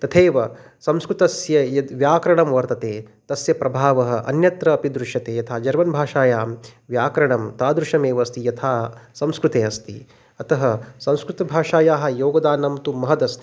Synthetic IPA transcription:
t̪ɐt̪ʰeːʋɐ | sɐ̃mskɾut̪ɐsjɐjɐʋjaːkɐɾɐɳɐmʋɐɾt̪ɐt̪eːt̪ɐsjɐpɾɐbʱaːʋɐɦɐ̆ʔɐ̰njɐt̪ɾɐːpid̪ɾuʃɐt̪eːjɐt̪ʰaːd͡ʒɐɾʋɐnbʱaːʃaːjaːmʋjaːkɐɾɐɳɐmt̪aːd̪ɾuʃɐmeːʋɐst̪ijɐt̪ʰaːsɐmskɾut̪eːɐst̪ḭ | ɐt̪ɐɦɐsɐ̃mskɾut̪ɐbʱaːʂaːjaːɦɐ̆joːɡɐd̪aːnɐmt̪umɐɦɐd̪ɐst̪i̥

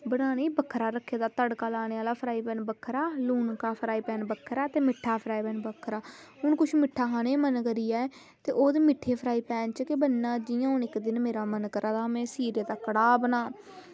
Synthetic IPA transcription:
bəɽaːneːbəkʰːɾaːɾəkʰːeːd̪aːt̪əɽkaːlaːneːaːlaːpʰəɾaːiːpɛːnbəkʰːɾaːluːnkaːpʰɾaːiːpɛːnbəkʰːɾaːt̪eːmɪʈʰːaːpʰəɾaːiːpɛːnbəkʰːɾaːɦʊnkʊt͡ʃʰmɪʈʰːaːkaːneːmənkəɾijaːɛː | t̪eːʔoːd̪eːmɪʈʰːeːpʰəɾaːiːpɛːnt͡ʃkɪbənːãːd͡ʒɪjãːʊnɪkd̪ɪnmeːɾaːmənkəɾʔaːd̪aːmẽːsiːɾeːt̪aːkəɽaːbənaː

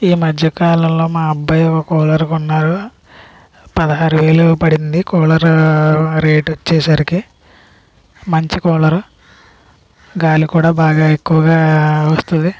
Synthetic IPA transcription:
iːmɐd͡ʒjɐkaːlɐmlo̞ːmaːɐbːɐjɔkːɐkɔːlɐɾkunːaːɾu | pɐd̪ɐɦaːɾuʋeːlupɐɽind̪ikɔːlɐɾ | ɾeːʈɐt͡ʃːɛːsaɾiki | mɐɲt͡ʃikɔːlɐɾu | ɡaːlukuːɽaːbaːɡaːekːuʋɐɡaːʋɐst̪und̪i

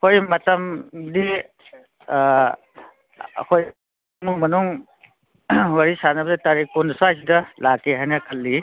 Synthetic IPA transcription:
hojmɐtɐmdi | koj | nuŋmɐnuŋ | waɾisanabditaɾikɔnsajs̬idɐlakeɦajnɐkʰɐlːi

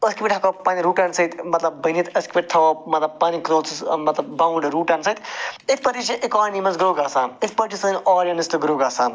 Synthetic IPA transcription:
əskipʲiʈʲɦɐkopaːniɾuːʈansɐt̪mɐt̪lɐb̚ːənit̪ɐskipʲiʈ̚ʲt̪ʰɐmɐt̪lɐb̚paːnikɾoːt͡sismɐt̪lɐb̚ːaːwɳɖɾuːʈansɐt̪it̪̚ʰʲpɐɾit͡ʃʰɐʔikɔːnimɐsɡɾoːɡaːsãːit̪ʰpɐʈisɨːnɔːɾjɐnist̪ɨɡɾoːɡaːsãː

